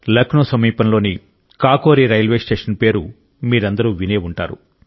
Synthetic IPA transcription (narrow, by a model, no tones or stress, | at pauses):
lɐknoːsɐmiːpɐnlo̞ːni | kaːkoːɾiɾɐjɐlʋeːsʈeːʂɐnpe̞ːɾu | miːɾɐnd̪ɐɾuːʋineːuɳʈa̰ːɾṵ